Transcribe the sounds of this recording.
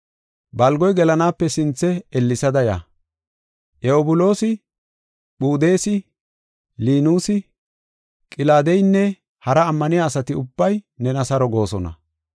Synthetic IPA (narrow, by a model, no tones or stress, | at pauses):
bɐlɡɔjɡɛlɐnaːpːɛsɪnt͡sːɛɛlːɪsɐd̪ɐja̰ː | ʔɛɔbʊlo̞ːsɪ | ɓuːd̪eːsɪ | liːnuːsɪ | kʼɪlaːd̪ejnːɛ | hɐɾɐːmːɐnɪjaːsɐt̪ɪʊbːɐjnɛnɐsɐɾɔɡo̞ːsɔnɐ̰